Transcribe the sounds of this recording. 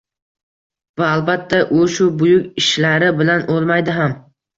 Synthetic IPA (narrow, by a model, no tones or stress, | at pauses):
vaalˠbat̪ʰːaʔoʃʊbʊjʊkʲɪʃlaɾɪbɪlanʔolˠmajd̪ɪɦam